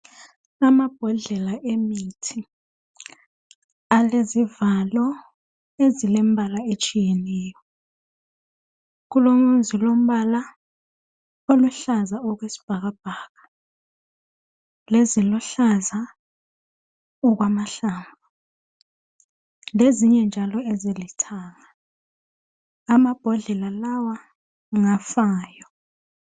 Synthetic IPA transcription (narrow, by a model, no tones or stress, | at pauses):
amab̥ʱɔɮɛlaʔemitʰi | alezivalɔ | ezilembʱalaet͡ʃʼijɛnɛːjɔ | k̬ulomunzʱilom̩ɓala | oluɬazaɔk̬wesi̥b̥ʱaɣ̬ab̥ʱaːɣa | lezilɔɬaza | uk̬wamaɬaːmbʱu | leziɲɛnd͡ʒʱalɔezilitʰaŋa | mab̥ʱɔɮɛlalawa | ŋafaːjɔ